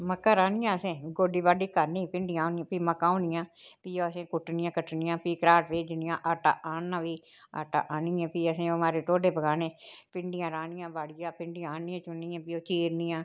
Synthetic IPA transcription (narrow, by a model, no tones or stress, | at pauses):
məkːãːɾaːnɪjãːəsẽːɡoːɖiːbaːɖiːkəɾniːpɪɳɖɪjãːoːnɪjãːpiːməkːãːõːnɪjãːpiːoːəsẽːkʊʈːnɪjãːkəʈnɪjãːpiːkɾaːʈʋeːd͡ʒnɪjãːʔaːʈaːʔaːnːãːʋiː | a̰ːʈa̰ːʔaːnɪːãːpiːəsẽːəmaːɾeːʈ̪oːɖeːpəɡaːneːpɪɳɖɪjãːɾaːnɪjãːbaːɽɪjãːpɪɳɖɪjãːaːnɪjãːt͡ʃʊnːɪjãːpioːt͡ʃiːɾnɪjãː